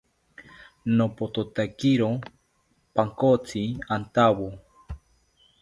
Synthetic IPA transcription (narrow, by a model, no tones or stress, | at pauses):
nopot̪ot̪akiɾo | paŋkot͡sʰiant̪awo